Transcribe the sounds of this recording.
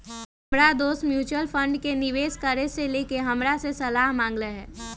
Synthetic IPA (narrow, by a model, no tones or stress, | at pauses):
pɽad̪oːsmjuːt͡ʃwəlfʰə̃ɳɖkenɪʋeːskəɾeseleːkeɦɐmɾasesɐlaːɦmãːŋɡləɦɛː